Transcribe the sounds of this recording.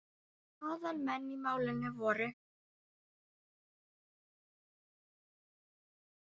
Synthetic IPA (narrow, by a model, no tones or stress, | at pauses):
aːðalmɛnːimaːwlɪnɛvɔːɾɪ